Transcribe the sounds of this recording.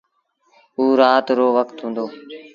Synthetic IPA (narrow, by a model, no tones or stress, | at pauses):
uːɾaːt̪ɾoːʋəkt̪ɦũːnd̪oː